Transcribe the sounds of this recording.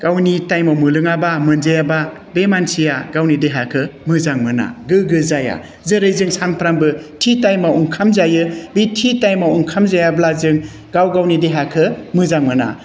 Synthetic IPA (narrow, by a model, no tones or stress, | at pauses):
ɡ̥awnitajmamɯlɯŋabamɯnzejaba | bemansʰijaɡawnideɦakʰɯmɯzaŋmɯna̰ɡɯɡɯzaja̰ | zɯɾɯjzɯŋsanpʰɾambɯtʰitajmauŋkʰamzajɯbitʰitajmauŋkʰamzajablazɯŋ | ɡawɡawnideɦakʰɯmɯzaŋmɯna̰